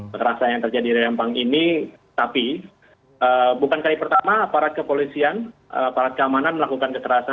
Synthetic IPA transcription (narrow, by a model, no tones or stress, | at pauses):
ɾasajaŋt̪ərd͡ʒadiɾejampaŋini | t̪api | ʔəbukankalipərt̪amaːpaɾat̪̚kəpolisianə̰apaɾat̪̚kəamananməlakukankət̪əɾasa